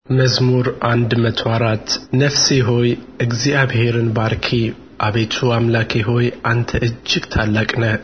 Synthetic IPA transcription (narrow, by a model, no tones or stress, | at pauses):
mɐzmuɾʔand̪mɐt̪ʰwaɾat̪nɐfsiɦo̞jʔɨɡziaβheɾɨnbaɾkʰi | ʔaβejt̪ʰuamlakʰeɦo̞jʔant̪ʰɐʔɨd͡ʒːɪɡt̪ʰalːakʼnɐ